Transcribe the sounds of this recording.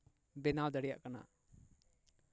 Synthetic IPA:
bɛnawd̪aɽɛja̰ʔkana̰

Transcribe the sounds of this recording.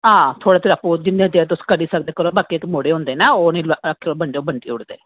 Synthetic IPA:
ɦãːt̪ʰoːɽaːt̪ʰeːɾəpːud͡ʒɪnd̪ẽd͡ʒeːt̪̬ʊskəɖiːsəkd̪eːkəɾõːbaːkeːkmoːɽeːɦõːnd̪eːnaːoːnẽləkʰːeːobəɳɖeoːbʱəɳʈḭːʊɽd̪eː

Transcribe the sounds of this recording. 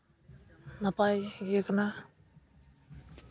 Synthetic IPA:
napajjekana

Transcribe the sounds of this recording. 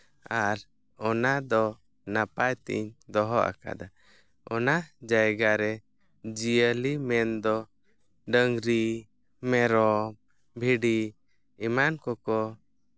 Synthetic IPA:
aɾ | ɔnad̪ɔ | napajt̪ḭɲd̪ɔɦɔʔa̰ka̰d̪a | ɔnad͡ʒajɡaɾɛ | d͡ʒijəlimɛnd̪ɔ | ɖəŋɡɾi | mɛɾɔm | bʱiɖi | imankɔkɔ

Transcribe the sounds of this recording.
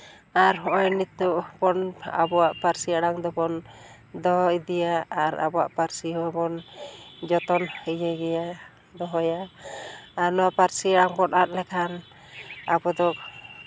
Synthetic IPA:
aɾɦɔʔɔjnit̪ːuʔpɔna̰bɔwaʔpaɾsijaɽaŋd̪ɔpɔn | d̪ɔɦɔid̪ijaaɾa̰bɔwa̰ʔpaɾsiɦɔabɔnd͡ʒɔt̪ɔnid͡ʒɛɡɛja | d̪ɔɦɔja | aɾnɔwaʔpaɾsiaɽaŋpɔnat̪̚lɛkʰan | a̰bɔd̪ɔk̚

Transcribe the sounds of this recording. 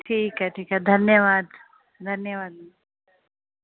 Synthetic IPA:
ʈʰiːkɛʈʰiːkɛd̪ʱɐnjɐʋaːd̪ | d̪ʱɐnjɐʋaːd̪nu

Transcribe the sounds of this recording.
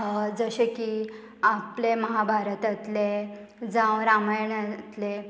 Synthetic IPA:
əd͡zəɕekiː | apleməɦabʱaɾət̪ət̪le | d͡zãʋɾamajənət̪le

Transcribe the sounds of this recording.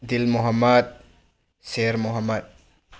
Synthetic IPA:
d̪ilmuɦɐmːɐd̪̚ | seɾmuɦɐmːɐd̪̚

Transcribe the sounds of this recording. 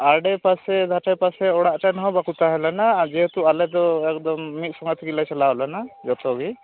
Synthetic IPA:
aɖɛpasɛd̪ʱaʈapasɛɔɽaʔʈanɔɦɔbakut̪aɦɛlɛnad͡ʒɛɦɛt̪ualɛd̪ɔɛkd̪ɔmːit̪̚sɔŋɡɔt̪ʰikilajsɛlaɦɔlɛnad͡ʒɔt̪ɔɡi

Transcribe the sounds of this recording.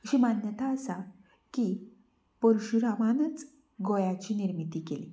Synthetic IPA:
ɕimanjət̪aəsa | ki | pəɾuɕuɾaʋanət͡s | ɡojat͡ɕiːniɾmit̪iːkelḭ

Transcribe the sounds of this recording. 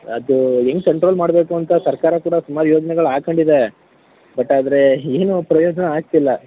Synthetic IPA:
ɐd̪ueŋɡkɐɳʈɾo̞ːlmaːɽbe̞ːkuɐnt̪ɐsɐɾkaːɾɐkuːɽɐsumaːɾujoːd͡ʒɐnɛɡɐɭaːkɐɳɖid̪e | bɐʈːaːd̪ɐɾe̞eːnupɾɐjoːd͡ʒɐnɐaːɡ̚t̪ilːɐ

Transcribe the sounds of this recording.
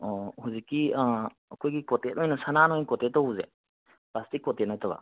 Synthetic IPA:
ɔhuzikːia | ɐkʰojɡikɔtet̚ɔjnɔsananojnkɔtet̚ːɔuze | pastikːɔtetnɐtɐβa̰

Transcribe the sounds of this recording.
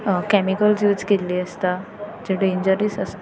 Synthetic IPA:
kɛmikəlsjuːd͡zkeliːəst̪ad͡ʑeɖeiɲd͡ʑəɾiːsəst̪

